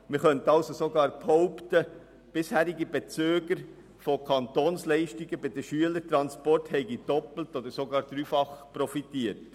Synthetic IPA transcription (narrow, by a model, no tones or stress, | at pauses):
mɪχœntɑlsosoɡɑːɾphɔʊptə | b̥ɪshæːɾɪɡibɛt͡søːɡəɾ | fokʰɑntoːnslɛɪʃtɪɡəbɪd̪əʃyələɾtɾɑnspɔrthɛɪɡid̥ɔpl̩tod̪əɾsoɡɑːɾd̪̥ɾyːfɑχpɾɔfitiːəɾt